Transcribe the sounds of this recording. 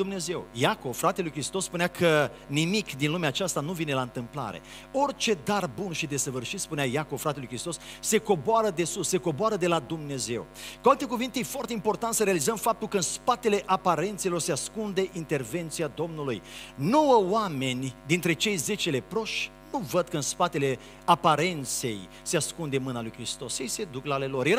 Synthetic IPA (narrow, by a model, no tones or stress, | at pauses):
d̪umne̞ze̞wjako̞vfɾat̪e̞lujkɾist̪o̞spunakʰə | nimikd̪inlumeaːt͡ʃast̪anuvine̞laɨnt̪ɨmpla̰ɾe̞̰ | o̞rt͡ʃe̞d̪arbunʃid̪e̞səvɨrʃit̪spuneajakovfɾat̪e̞lujkɾist̪o̞sse̞ko̞boaɾəd̪e̞susːe̞ko̞boaɾəd̪e̞lad̪umne̞ze̞̰w | kualt̪e̞kuvint̪e̞jefwart̪eimpo̞rt̪ant̪səɾealizəmfap̚t̪ulkəɨnspat̪e̞le̞ʔapaɾe̞nt̪selo̞rseaskund̪e̞ʔint̪e̞rve̞nt̪siad̪o̞mnulujno̞wəowame̞nʲd̪int̪ɾe̞t͡ʃe̞jze̞t͡ʃele̞pɾoʃ | nuvəd̪̚kəɨnspat̪e̞le̞ | apaɾe̞nt̪se̞j | seaskund̪e̞mɨnalujkɾist̪o̞sjejse̞d̪uklaːle̞lo̞rje